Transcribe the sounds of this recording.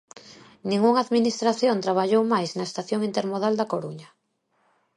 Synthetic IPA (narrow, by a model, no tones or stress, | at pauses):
nĩŋɡuŋaðminist̪ɾaθjont̪ɾaβ̞aʎowmajsnaest̪aθjoŋint̪eɾmoðald̪akoɾuɲa